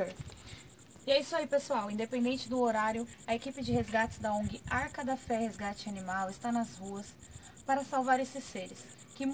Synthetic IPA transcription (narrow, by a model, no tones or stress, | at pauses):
ɾ | ɪɛisʊaipesuawĩd̪epẽnd̪ẽnt͡ʃɪd̪ʊoɾaɾjʊɐekipɪd͡ʒɪɦezɡat͡ʃɪzd̪ɐõɡɪʔaɾkɐd̪ɐfɛhezɡat͡ʃɪanimawɪst̪anɐzhuɐs | paɾɐsawvaɾesɪsːeɾɪs | kɪm